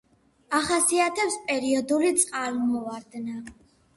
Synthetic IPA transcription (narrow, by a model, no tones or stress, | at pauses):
aχasiat̪ʰɛpspʼɛɾiɔd̪ulit̪sʼqʼalmɔvaɾd̪na